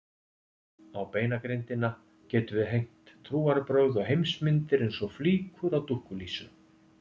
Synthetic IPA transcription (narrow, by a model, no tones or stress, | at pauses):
awpeːjnakɾejnt̪ɪna | cɛːt̪ʏvɪðɦejŋ̥t̪ʰːɾuːaɾpɾœɥðɔɣɦejmsmɪnt̪ɪɾejnsɔfliːkʰʏɾawt̪uhkʏliːsʏ